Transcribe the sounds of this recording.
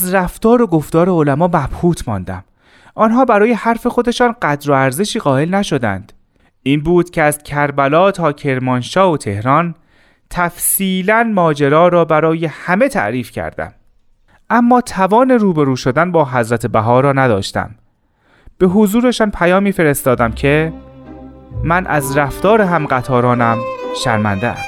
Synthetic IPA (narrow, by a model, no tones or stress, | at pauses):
zɾæft̪ɒːɾo̞ɡo̞ft̪ɒːɾeolæmɒːmæb̥huːt̪ʰmɒ̰ːnd̪æ̰m | ʔɒːnɦɒːbæɾɒːje̞hæɾfe̞xo̞d̪e̞ʃɒːnɢæd̪ɾo̞æɾze̞ʃiːɣɒːe̞lnæʃo̞d̪æ̰nd̪̥ | iːnbuːd̪̥cʰeæzcʰæɾbælɒːt̪ʰɒːcʰe̞ɾmɒnʃɒːot̪ʰe̞hɾɒːn | t̪ʰæfsiːlænmɒːd͡ʒeɾɒːɾɒːbæɾɒːje̞hæme̞t̪ʰæ̰ʔɾiːfcʰæ̰ɾd̪æ̰m | ʔæmːɒːt̪ʰævɒːne̞ɾuːbeɾuːʃod̪ænbɒːɦæzɾæt̪ʰebæɦɒːɾɒːnæd̪ɒ̰ːʃt̪æ̰m | b̥e̞ɦozuːɾe̞ʃɒːnpʰæjɒːmiːfe̞ɾe̞st̪ɒːd̪æmcʰe̞ | mænʔæ̰zɾæft̪ɒːɾeɦæmɢæt̪ʰɒːɾɒːnæmʃæ̰ɾmænd̪eæ̰s